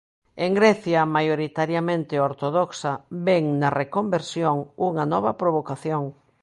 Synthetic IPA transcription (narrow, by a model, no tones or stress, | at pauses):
eŋɡɾɛθjɐmajoɾit̪aɾjɐmẽnt̪ɪoɾt̪oðɔksɐbɛŋnɐrekombeɾsjoŋuŋɐnɔβɐpɾoβ̞okaθjoŋ